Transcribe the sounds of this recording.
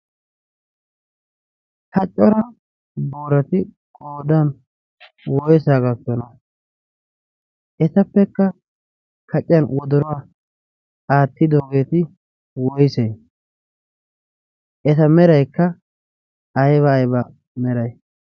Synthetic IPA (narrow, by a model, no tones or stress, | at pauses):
kɐt͡ʃʼːɔɾɐ | boːɾɐt̪ɪ | kʼoːd̪an | wɔjsaːɡɐkːɔnɐ | ʔɛsɐpːɛkːɐ | kʰɐt͡ʃʼːɪjɐnwɔd̪ɔɾɔwaː | aːt̪ːɪd̪o̞ːɡe̞ːt̪ɪ | wɔjsɛj | ʔɛtɐmɛɾɐjkːɐː | jβɐːjbɐ | mɛɾɐj